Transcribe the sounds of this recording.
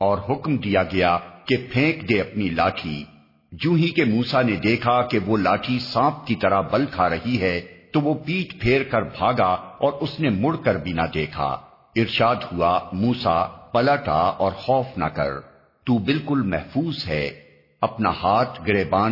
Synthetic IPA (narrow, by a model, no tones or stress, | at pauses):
ɔːɾɦʊkmd̪ijaɡɐjakepʰẽːkd̪eɐpnilaːʈʰi | d͡ʒũːɦikemuːsaned̪eːkʰakeʋolaːʈʰisãːp̚kit̪ɐɾabɐlkʰaɾɐɦiɦɛːt̪oʋopiːʈpʰeːɾkɐɾbʱaːɡaɔːɾʊsnemʊɽkɐɾbʱinad̪eːkʰa̰ː | ɪɾʃaːd̪huamuːsapɐləʈa̰ɔːɾxɔːfna̰kɐ̰ɾ | t̪uːbɪlkʊlmɛɦfuːzɦɛː | ɐpnahaːt̪ʰɡɾeːbaː